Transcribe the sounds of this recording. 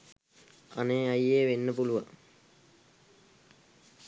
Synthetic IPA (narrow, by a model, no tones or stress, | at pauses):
ɐneːɐjeːʋenːəpuluʋa